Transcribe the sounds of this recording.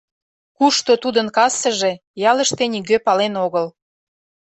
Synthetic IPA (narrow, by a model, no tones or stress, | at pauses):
kuʃt̪ot̪ud̪ənkɑsəʒe̽ | jɑləʃt̪enʲiɣøpɑlenoɣəl